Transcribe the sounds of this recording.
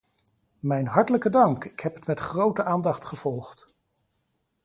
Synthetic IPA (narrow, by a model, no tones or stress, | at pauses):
mɛjnɦɑɹtələkədɑŋkɪkɦɛpətmɛtχrowtəʔaːndɑχtχəv̥ɔlˠχt